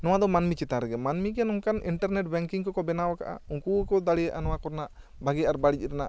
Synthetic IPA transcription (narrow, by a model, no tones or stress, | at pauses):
nɔwad̪ɔmanmit͡ʃit̪ãɾɛɡɛmanmikɛjanɔŋkaniɳʈaɾnɛʈ̚bɛŋkiŋkɔkɔbɛnawaka̰ʔa̰uŋkukɔd̪aɽijaʔanɔwakɔɾnaʔ | baɡɛaɾbaɽicˀɾɛnaʔ